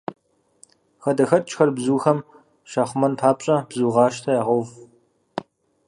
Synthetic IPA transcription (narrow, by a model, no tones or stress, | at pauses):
xɐdɐxɐt̚ʼt͡ʃʼxɐrbzuːxɐm | ʃaːχʷʊmɐnpʰaːpɕʼɐbzuːʁɑːʃtʰɐjaːʁowv